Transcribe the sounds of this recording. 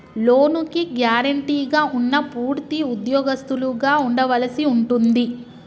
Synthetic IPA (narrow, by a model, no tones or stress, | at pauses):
loːnukiɡjaːɾɐɳʈiːɡaːʔunːɐpuːɾt̪iud̪jɔːɡɐst̪uluɡaːuɳɖɐʋɐlɐsiuɳʈund̪i